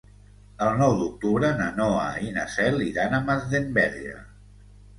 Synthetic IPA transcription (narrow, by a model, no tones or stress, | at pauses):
əlˠnɔwd̪uk̚t̪uβɾənənoəinasɛliðanəməzðembɛɾʒə̰